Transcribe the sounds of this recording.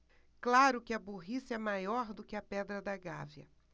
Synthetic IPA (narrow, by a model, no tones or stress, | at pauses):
klaɾʊkɪɐboɦisɪɛmajɔɾd̪ʊkɪɐpɛd̪ɾɐd̪ɐɡavjɐ̰